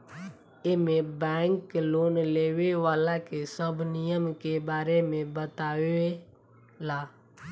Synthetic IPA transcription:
ɪmẽbɛ̃ːŋkloːnleːʋeʋaːlakesəbnɪjəmkebaːɾemẽbət̪aːʋee | laː

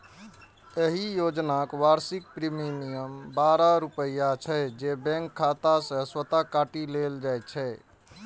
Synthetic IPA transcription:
jeɦijod͡ʒnakʋaɾsik̚pɾiminijəmbaɾaɾupəjat͡ʃʰɛd͡ʒebɛ̃ŋkʰːat̪asə̃swət̪akaʈileld͡ʒajt̪t͡ʃʰɛ

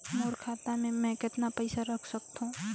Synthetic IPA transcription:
moːɾkʰaːt̪amẽmɛ̃kɪt̪napəɪsaɾɐkʰsək̚t̪ũː

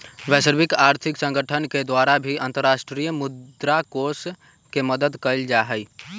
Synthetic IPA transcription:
ʋɛːsəɾbɪkaːɾt̪ʰɪksə̃ŋɡʱəʈʰənked̪waːɾabʱiə̃nt̪əɾːaːʃʈɾijəmʊdd̪ɾakoːs | keməd̪əd̪kəɪld͡ʒaɦəi

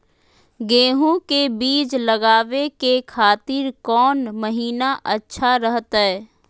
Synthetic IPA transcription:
ɡẽːɦõkebiːt͡ʃləɡaːʋekekʰaːt̪ɪɾkɔːnməɦiːnaʔətːʃʰaɾəɦət̪ɦɛː

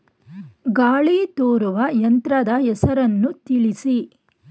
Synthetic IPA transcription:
ɡaːɭit̪oːɾuʋɐjɐnt̪ɾɐd̪ɐɦɛsɐɾɐnːut̪iɭisi

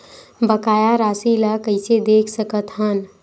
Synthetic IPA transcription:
bəkaːjaɾaːsilakəɪsed̪eːkʰsəkət̪ɦən

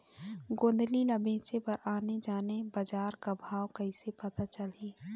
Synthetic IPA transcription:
ɡõːnd̪lilɐbẽːt͡ʃepɐɾaːned͡ʒaːnebɐd͡ʒaːɾkabʱaːwkɐɪsepɐt̪at͡ʃəlɦiː

